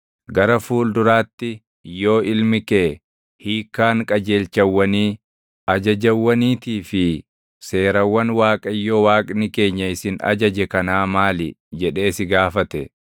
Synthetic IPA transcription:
ɡɐɾɐfuːld̪ʊɾaːt̪ːɪ | jo̞ːɪlmɪkeː | hiːkːaːŋkʼɐd͡ʒe̞ːlt͡ʃɐwːɐniː | ʔɐd͡ʒɐd͡ʒɐwːɐniːt̪iːfɪ | se̞ːɾɐwːɐnwaːkʼɐjːoːwaːkʼnɪke̞ːɲːɐɪsɪnɐ̰d͡ʒɐd͡ʒɛkɐnaːmaːlɪd͡ʒɛᶑe̞ːsɪɡaːfɐt̪ɛ

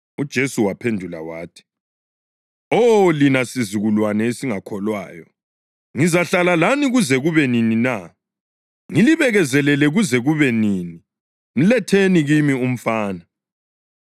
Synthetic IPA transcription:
ud̥ʒ̥ʱesuwapʰendʱula̰wa̰ːtʰi̥ | ɔlinasizuɣulwanɛesiŋakʰɔlwa̰ːjɔ | ŋizaɬalalaniɣuzɛɣuβɛninina | ŋiliβɛɣɛzɛlɛlɛɣuzɛɣuβɛniːni | m̩lɛtʰeniɣimium̩faːna

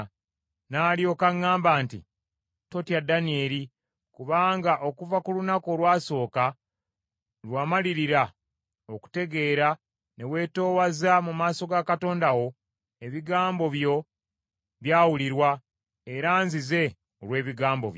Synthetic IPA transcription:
naːljo̞kaŋːaːmbaːntḭ | to̞tiadanie̞ːɾi | kuβaːŋɡaʔo̞kuvakulunakolwaːso̞ːka | lwaːmaliɾiɾa | oku̥te̞ɡe̞ːɾa | ne̞we̞ːto̞ːwazamumaːso̞ɡakato̞ːndaɣo̞ | e̞βiɡaːmbo̞βjo̞ | βjaːwuliɾwa | e̞ɾaːnzize̞ | olwe̞ːβiɡaːmbo̞̰βjo

